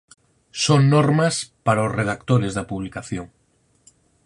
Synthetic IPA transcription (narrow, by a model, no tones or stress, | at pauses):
soŋnoɾmaspaɾaozreð̞ak̚t̪oɾezðapuβlikaθjoŋ